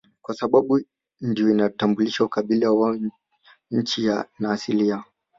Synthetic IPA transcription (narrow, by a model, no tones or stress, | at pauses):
kwasaɓaɓu | ndijɔinatambuliʃaukaɓilawa | ɲ̩t͡ʃijanaːsilia